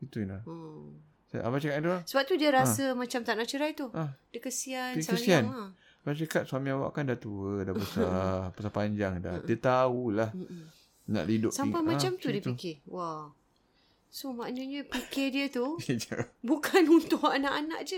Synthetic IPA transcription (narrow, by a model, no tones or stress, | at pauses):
it̪unlahə | saʔa̰bat͡ʃəkatt̪ulasəbap̚t̪udiəɾasəmãt͡ʃamt̪anaʔt͡ʃəɾajt̪uahdikəsiansakəsiana | abat͡ʃəkat̪̚suamĩawa̰ʔkandat̪uədabəsabəsapaɲd͡ʒaŋda̰diət̪aulah̩ | na̰ʔlidʊ̰sampamãt͡ʃamt̪udiətp̪ikɪwaw | somaʔnəɲəpikɪdiət̪uəd͡ʒəbukanunt̪ʊanaʔanaʔd͡ʒə